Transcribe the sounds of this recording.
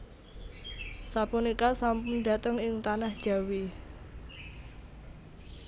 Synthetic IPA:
sapunikasampʊnda̤t̪əŋɪŋt̪anahd̥ʒ̥a̤wi

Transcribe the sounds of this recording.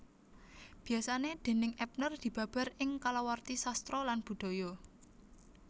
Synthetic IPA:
b̥i̤asaned̪̥e̤nɪŋʔɛp̚nərd̪̥i̤b̥ä̤b̥a̤ɾɪŋkalawart̪isast̪ɾɔlanb̥ṳd̪̥o̤jɔ

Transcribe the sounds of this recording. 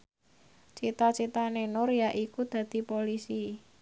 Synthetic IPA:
t͡ʃit̪at͡ʃit̪anenʊɾjaʔikud̪̥ä̤d̪̥i̤polisi

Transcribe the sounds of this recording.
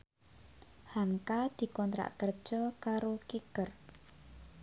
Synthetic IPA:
haŋkad̪̥i̤kɔnt̪ɾa̰ʔkərd̥ʒ̥ɔkaɾokikər

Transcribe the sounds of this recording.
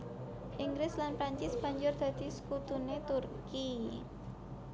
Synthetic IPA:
ʔiŋɡɾɪslanpɾaɲt͡ʃɪsb̥a̤ɲd͡ʒʊrd̪̥ä̤d̪̥i̤sə̥kut̪unet̪urki

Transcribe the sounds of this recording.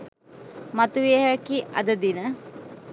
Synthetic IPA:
mat̪uʋeɦakiʔɐ̰d̪əd̪inə

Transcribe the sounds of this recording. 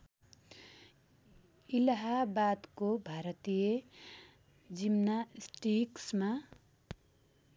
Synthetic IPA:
ilaɦabad̪kobʱaɾʌt̪ije | d͡zimnasʈiksma

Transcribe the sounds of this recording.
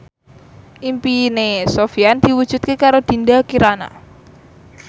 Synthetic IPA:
ʔimpinesofiand̪̥i̤wu̥ʒ̥ṳt̪̚kekaɾod̪̥i̤ndakiɾana̰

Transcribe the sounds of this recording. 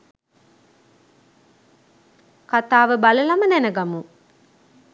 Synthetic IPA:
kat̪aːʋəbaləlamənænəɡamu

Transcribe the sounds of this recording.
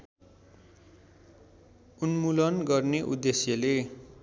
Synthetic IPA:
unmulʌnɡʌrneʔud̪esjʌle

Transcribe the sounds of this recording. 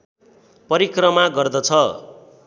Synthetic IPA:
pʌɾikrʌmaɡʌrd̪ʌt͡sʰʌ

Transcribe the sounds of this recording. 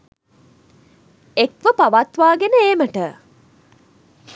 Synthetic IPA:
ekʋəpaʋat̪ʋaːɡenəeːməʈə

